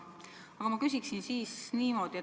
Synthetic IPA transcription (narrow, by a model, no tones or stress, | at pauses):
ɑɡ̥ɑmɑkys̬ʲiksinsiːsniːmo̞ːd̪̥ie